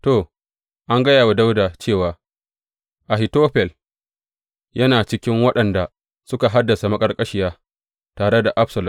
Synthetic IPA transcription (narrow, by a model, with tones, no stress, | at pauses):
toː˨ | ʔa˦ŋɡɐ˦jaː˨wa˨da˦wdaː˨t͡ʃeː˦˨waː˨ | ʔa˨hɪ˨toː˦ɸɛ˨l | jɐ˦naː˨t͡ʃɪ˦kʲɪ˦ŋwɐ˦ɗɐ˨nda˨ | sʊ˦ka˨ɦa˦dːɐ˨sa˨mɐ˦kʼɐ˦rkʼɐ˦ʃɪ˦jaː˦ | taː˨ɽe˦da˨ʔa˦ɸsɐ˨lʊ˨m